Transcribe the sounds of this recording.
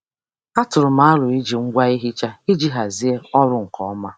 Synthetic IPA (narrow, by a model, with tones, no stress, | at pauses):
a˦tʊ˨ɾʊ˨ma˦a˦lʊ˨i˦d͡ʒi˨ŋ̩˦ɡʷa˦i˦ɦi˦t͡ʃa˦i˦d͡ʒi˦ɦa˨zi˦e˦ɔ˦ɾʊ˦ŋ̩˨kʰɔ˨ɔ˦ma˦